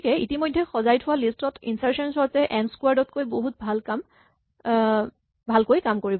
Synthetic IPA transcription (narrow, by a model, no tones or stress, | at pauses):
kɛḭtimojdʱːɛxɔzajtʰʊwalistɔtḭnsaɹsɔnsɔɹtɛʔɛnskwaɹdɔt̚kojboɦut̚bʱalkam | bʱalkojkamkoɹibɔ